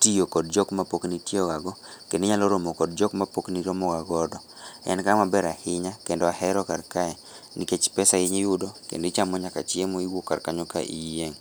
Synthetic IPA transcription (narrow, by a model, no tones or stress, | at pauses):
tijokɔd̚d͡ʒɔkmapoknitioɡaɡɔ | kendiɲalɔɾomokɔd̚d͡ʒɔkmapokniɾomɔɡaɡɔdɔ | ɛ̰nkamabɛɾahɪɲakendɔahɛɾɔkarkaɛ | niket͡ʃpɛsaɪɲijʊdɔkḛndet͡ʃamɔɲaka̰t͡ʃjemoiwoka̰rkaɲoka̰ʔijeŋ